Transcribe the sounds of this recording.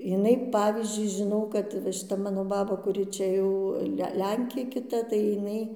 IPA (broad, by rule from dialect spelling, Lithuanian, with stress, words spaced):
jɪˈnɐɪ ˈpɑːʋʲiːzʲd͡ʒʲʊɪ ʒʲɪˈnɐʊ kɐt ʋɐ ʃʲɪˈtɐ ˈmɑːnoː bɐˈbɐ kʊˈrʲɪ t͡ʃʲɛ ˈjɛʊ ˈlʲɛŋʲkʲeː kʲɪˈtɐ tɐɪ jɪˈnɐɪ